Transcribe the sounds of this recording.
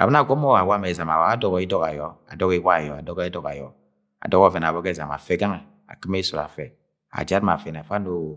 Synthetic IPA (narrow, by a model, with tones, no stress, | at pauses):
a̰˨bɛ˦na˨ɡʷɔ˦mɔ˦wa˨wa˦mɛ˨za˨ma˨wa˨a˦dɔ˦ɡɔ˨i˦dɔ˦ka˨jɔ˨˦a̰˨dɔ˦ki˦wa˦˨jɔ˨a̰˨dɔ˦ɡi˦dɔ˨ka̰˨jɔ̰˨˦ | a̰˨dɔ˦kɔ˦˨vɛ˨n˨a˨bɔ˦kɛ˦˨za̰˨ma̰˨fɛ˦ɡa˦ŋɛ˨ | a̰˨ki˦m˦e˦sɔ˨la̰˨fɛ˨ | a̰˨d͡ʒa˦tma̰˨fɛ˨n˨fa˦no˨